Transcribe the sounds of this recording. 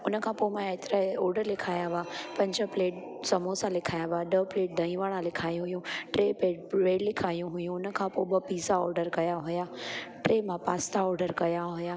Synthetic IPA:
ʊnə̆kʰãːpomãet̪ɾəɔːɾɖəɾlɪkʰaːjaʋaːpɐ̃ɲd͡ʑəpleːʈ̚ | sɐmosãlɪkʰaːjaʋaɗəpleːʈ̚d̪ʱɐ̃ĩʋaːɽ̃ãlɪkʰaːjũɦʊjũʈɾeːpeːɖleːɖlɪkʰaːjũɦʊjũʊnə̆kʰãːpobəpiːzaɔːɾɖəɾkɐjaɦʊjaːʈɾeːmãpaːst̪ʰaɔːɾɖəɾkɐjaɦʊjaː

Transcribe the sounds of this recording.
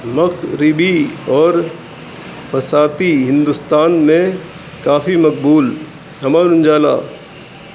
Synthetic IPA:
mɐkʰɾɪbiɔːɾ | pʰɐsaːt̪iɦɪ̃nd̪ʊst̪aːnmẽ | kaːfimɐk̚buːl | ɦɐmaːnʊ̃nd͡ʒaːla̰ː

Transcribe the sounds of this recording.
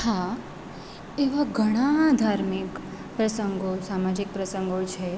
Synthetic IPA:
hã | eʋaɡʱəɽ̃ãd̪ʱaɾmik | pɾəsəŋɡosamad͡ʒik̚pɾəsəŋɡot͡ʃʰe

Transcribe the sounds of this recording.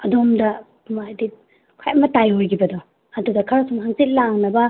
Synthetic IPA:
ɐdomdɐ | majdi | kʰa̰jɐmɐtajojɡibɐdɔ | ɐdudɐkʰaɾsumɦaŋsit̚laŋnɐbɐ

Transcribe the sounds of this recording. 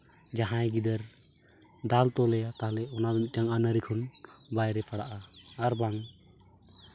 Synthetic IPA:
d͡ʒaɦãjɡid̪əɾ | d̪alt̪ɔlɛjat̪aɦlɛɔnabɛmit̪̚taŋanəɾikʰɔnbajɾɛpʰaɽaʔaːɾbaŋ

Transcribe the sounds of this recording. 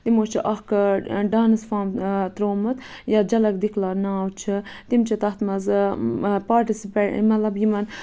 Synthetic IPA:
t̪imot͡ʃʰiʔɐxkɐɖɑːnɨsfɑːmt̪ɾoːmɨt̪ | jad͡ʒɐlɐk̚d̪iklaːnaːwt͡ʃʰɨt̪imt͡ʃʰɐt̪ɐxt̪mɐzɨpaːɾʈisipḛmɐt̪lɐbjimɐn

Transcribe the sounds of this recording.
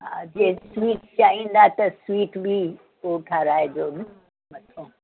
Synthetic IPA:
ɦãd͡ʒeːswiːʈt͡ʃaːɦĩːn̆d̪at̪ɐswiːʈbʱi | oʈʰaɾaːed͡ʒoːn | mɐt̪ʰõː

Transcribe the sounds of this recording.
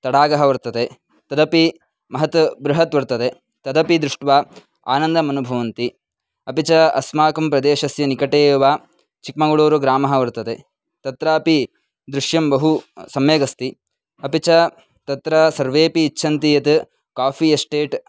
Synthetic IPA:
t̪ɐɽaːɡɐɦɐʋɐɾt̪ɐt̪e | t̪ɐd̪ɐpi | mɐɦɐt̪bɾuɦɐt̪ʋɐɾt̪ɐd̪e | t̪ɐd̪ɐpid̪ɾuʂʈʋaː | a̰ːnɐnd̪ɐmɐnubʱɐʋɐnt̪i | ɐpit͡ʃɐɐ̰smaːkɐmpɾɐd̪eːʃɐsjɐnikɐʈeːʋaː | t͡ʃik̚mɐɡɐɭoːɾuɡɾaːmɐɦɐʋɐɾt̪ɐt̪e | t̪ɐt̪ɾaːɐpi | d̪ɾuʂjɐmbɐɦusɐmeːɡɐst̪i | ɐpit͡ʃɐ | t̪ɐt̪ɾɐsɐɾʋeːpiːt͡ʃʰːɐnt̪ijɐt̪ | kaːpʰiesʈeːʈ

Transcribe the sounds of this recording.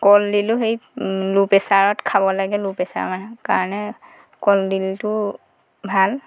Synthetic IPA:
kɔldilʊɦejlupɛsaɹɔtkʰabɔlaɡɛlupɛsa̰ɹmanɛka̰ɹɔnɛ | kɔldiltʊ | bʱal

